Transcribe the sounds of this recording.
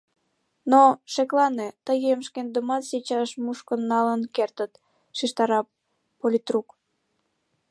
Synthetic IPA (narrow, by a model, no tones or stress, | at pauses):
noʃeklɑnet̪əɣemʃkend̪əmɑt̪set͡ɕɑʃmuʃkənːɑlənkert̪ət̪ | ʃiʃt̪ɑɾɑ | polʲit̪ruk